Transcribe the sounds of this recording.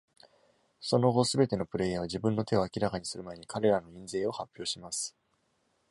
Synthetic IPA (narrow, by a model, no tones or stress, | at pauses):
so̞no̞ɡo̞sɨbe̞t̪e̞no̞pɯ̟ɾe̞jaβ̞aʑibɯ̟̃nːo̞t̪e̞o̞akʲiɾakaɲ̟isɨɾɯ̟mae̞ɲ̟ikaɾe̞ɾano̞ĩnze̞ːo̞hapʲːjo̞ːɕimasɨ̥